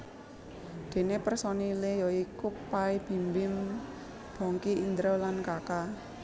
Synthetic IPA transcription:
d̪̥e̤nepərsɔnilejɔikʊpaib̥i̤mbɪm | b̥ɔ̤ŋkiːnd̪ɾɔwlankaka

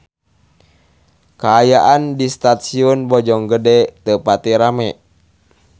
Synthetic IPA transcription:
kaːjaʔandist̪at̪siɔnbɔd͡ʒɔŋɡədɛt̪əpat̪iɾamɛʔ

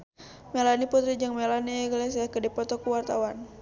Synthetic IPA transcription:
mɛlaniput̪ɾid͡ʒaŋmɛlaniɛɡles̬akədipɔt̪ɔkuwart̪awan

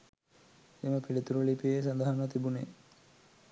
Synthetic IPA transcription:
eːməpilit̪uɾulipies̬and̪aɦɐnət̪ibuneː

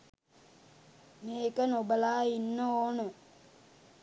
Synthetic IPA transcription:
meːkənobəlaːinːəoːnə

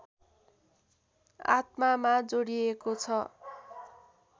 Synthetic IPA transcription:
a̰t̪̚mamad͡zoɽiekot͡sʰʌ

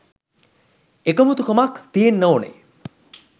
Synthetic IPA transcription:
ekomut̪ukomakt̪ienːoːnḛ

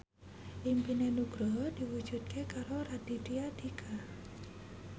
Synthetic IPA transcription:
ʔimpinenuɡ̥ɾɔɦɔd̥iwu̥ʒ̥ut̪̚kʰekaɾoɾad̥itiad̪̥ikʰa

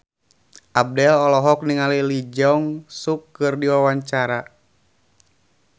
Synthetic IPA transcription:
ʔab̚dɛlɔlɔɦɔk̚niŋalilid͡ʒɔŋsukːɨrdiwawaɲt͡ʃaɾa

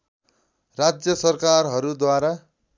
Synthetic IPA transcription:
rad͡zjʌsʌrkarɦʌɾud̪waɾa

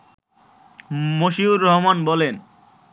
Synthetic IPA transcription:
moʃiuɾːɔɦmanbɔlen

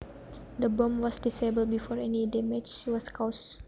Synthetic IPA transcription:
d̪əbõmwɔsdisebəl̚bifɔɹɛnidɛmɛd͡ʒwɔskaʊs

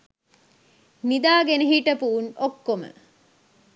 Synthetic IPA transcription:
mid̪aːɡenəɦiʈɐpuunokːomə̰

